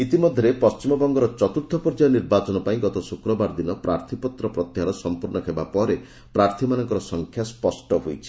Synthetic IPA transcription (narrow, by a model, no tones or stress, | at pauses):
it̪imɔd̪ʱjɔɾepɔst͡ʃimɔbɔŋɡɔɾɔt͡ʃɔt̪ut̪ʰːɔpɔɾd͡ʒajɔniɾbat͡ʃɔnɔpaĩɡɔt̪ɔsukɾɔbaɾd̪inɔpɾʔaɾt̪ʰipɔt̪ɾɔpɾɔt̪jaɾɔsɔmpuɾnɔkʰebapɔɾe | pɾaɾt̪ʰimanɔŋkɔɾɔsɔŋkʰjaspɔsʈɔɦojt͡ʃʰi̥